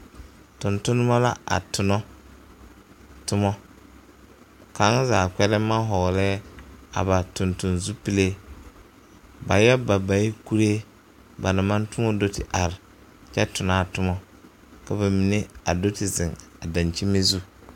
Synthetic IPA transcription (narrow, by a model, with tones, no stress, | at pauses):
tʊ˨ntʊ˦nʊ˦ma˦la̰˦a̰˨tʊ˨nɔ˦ | tʊ˦mɔ˦ | ka˨˦ŋ˦zaː˨kɛ˦lɛ˦ma˦ɦɔ˨lɛː˦a̰˨ba˨tʊ˨ntʊ˨nzu˦pi˦le˦ | ba˨jɛ˦ba˨ba˨i˦ku˦ɾe˦ | ba˨na˨ma˦ntʊ˦mɔ˦do˦tɪ˨ʔa˨ɾɪ˨ | t͡ʃɛ˦tʊ˨naː˦tʊ˦mɔ˦ | ka˨ba˨mi˨ne˦a˨do˦tɪ˨zɪ˨ŋa˨da˨nt͡ʃi˦me˦zu˦